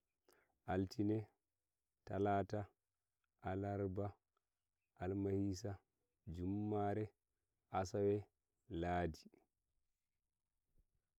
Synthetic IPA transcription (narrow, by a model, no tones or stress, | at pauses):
ʔaltinɛ | talaːta | ʔalaɾba | ʔalmahisa | d͡ʒumːaɾɛ | ʔasawɛ | laːdi